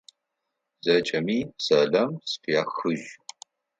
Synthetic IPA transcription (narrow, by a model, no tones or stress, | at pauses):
z̥ɐt͡ʃʼɐmiːsɐɮɐmsfʰijaːxɨʒ